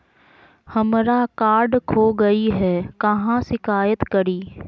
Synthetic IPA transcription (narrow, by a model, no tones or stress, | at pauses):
hɐmɾakaːɾɖkʰoːɡɐiɦɛːkɐɦãsɪkaːjət̪kɐɾiː